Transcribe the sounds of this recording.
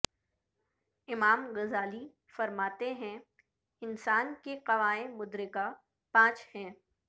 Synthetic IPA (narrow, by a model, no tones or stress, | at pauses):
ɪmaːmɣɐzaːli | fɐɾmaːt̪eɦɛ̃ | ɪnsaːnkeqɐʋaːẽmʊd̪ɾɪka | pãːt͡ʃhɛ̃ː